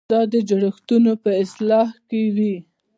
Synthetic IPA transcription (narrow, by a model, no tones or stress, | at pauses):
d̪̥ɑd̪əd͡ʒaɽəxt̪unopəɪslɑhkewi